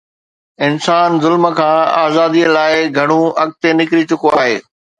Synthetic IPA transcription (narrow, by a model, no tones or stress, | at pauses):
ɪnsaːnzʊlmə̆kʰãːa̰ːzaːd̪iəlaːɪɡʱɐɽ̃ũɐɠ̚t̪enɪkɾit͡ɕʊkoaːɦeː